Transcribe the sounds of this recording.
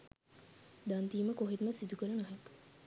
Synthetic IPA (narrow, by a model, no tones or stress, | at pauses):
d̪and̪iːməkoɦit̪məsid̪ukəɾənɐɦek